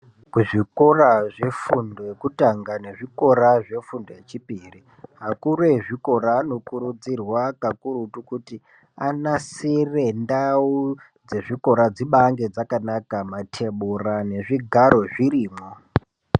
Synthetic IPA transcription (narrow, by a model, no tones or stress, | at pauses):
kuʐikoraʐe̞fundojekutaŋɡane̞ʐiko̞ɾaʐe̞fundojet͡ʃipiri | ɦakure̞ʐiko̞ɾano̞kuɾud͡zirwakakuɾutukuti | anasire̞ndau | d͡ze̞ʐiko̞ɾad͡ziɓaŋɡe̞d͡zakanakamatʰe̞ɓurane̞ʐiɡʱaɾo̞ʐiriːmo